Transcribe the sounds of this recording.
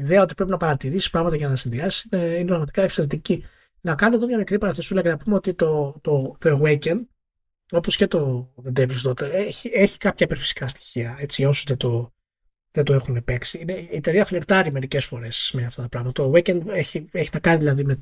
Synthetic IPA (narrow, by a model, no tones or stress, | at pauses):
iðeɐo̞t̪i̥pɾe̞p̬inɐpɐɾɐt̪iɾisi̥spɾɐɣmɐt̪ɐʝɐnɐsinðiɐsi̥sineinepɾɐɣmɐt̪i̥kɐekseɾet̪̬ici | nɐkɐnoeðo̞mɲɐmikɾipɐɾɐθesulɐcenɐpumeo̞t̪it̪o̞t̪o̞t̪oeɣwecen | o̞poscet̪o̞ðed̪evilst̪ot̪eɾeçieçi̥kɐpçɐipeɾfi̥si̥kɐst̪i̥çiɐe̞t͡sio̞suzðed̪o̞ | ðent̪oexunepe̞ksiineiiet̪eɾiɐflekt̪ɐɾime̞ɾicesfo̞ɾesmeɐft̪ɐt̪ɐpɾɐɣmɐt̪ɐt̪oɣwecɐneçieçinɐkɐniðilɐðime